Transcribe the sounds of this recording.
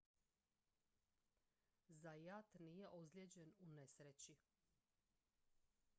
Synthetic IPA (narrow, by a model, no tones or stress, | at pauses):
zajat̪nijeʔozljed͡ʑenunesɾet͡ɕi